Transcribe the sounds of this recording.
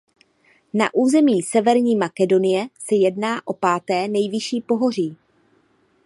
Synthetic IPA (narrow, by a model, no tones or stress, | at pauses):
na̰ʔuːzɛmiːsɛvɛɾɲiːmakɛdo̞nɪjɛsɛjɛdnaːʔo̞paːt̪ɛːnɛjvɪʃiːpo̞ɦo̞r̝iː